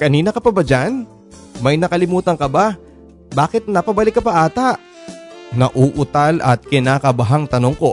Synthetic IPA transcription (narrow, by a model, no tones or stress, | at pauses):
kɐniːnɐkɐpɐbɐd͡ʒan | mɐjnɐkɐlɪmuːt̪ɐŋkɐba | baːkɪt̪̚nɐpɐbɐlɪkːɐpɐʔaːt̪aʔ | nɐʔuːʔʊt̪alʔɐ̰t̪̚kɪnaːkɐbɐɦaŋt̪ɐno̞ŋko̞